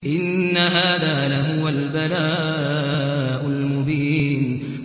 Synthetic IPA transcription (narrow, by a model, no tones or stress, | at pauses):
ʔɪnːaɦaːðaːlaɦʊwalbalaː | ʔʊlmʊbiːn